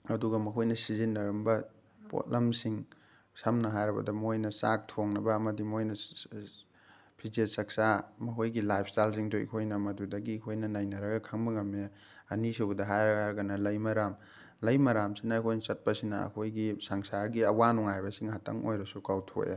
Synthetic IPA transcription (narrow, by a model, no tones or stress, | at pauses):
ɐduɡɐmɐkʰojnɐsizinːɐɾɐmbɐ | po̰tlɐmsiŋ | sɐmnɐɦajɾɐbɐ̰dɐmojnɐsak̚tʰoŋnɐbɐːmɐdimojnɐ | pʰizesɐk̚samɐkʰojɡilajp̚ʰstajls̬iŋdoḭkʰojnɐmɐdudɐɡikʰojnɐnajnɐɾɐɡɐkʰaŋbɐŋɐme | ɐnisowbɐdɐɦajɾɐɡɐnɐlɐjmɐɾam | lɐjmɐɾamsinɐːkʰojnɐsɐt̚pɐsinɐɐ̰kʰojɡisaŋsaɾɡiɐwanɔŋajbɐsiŋhatʰɐ̰ŋo̰jɾɐsukawtʰo̰ja̰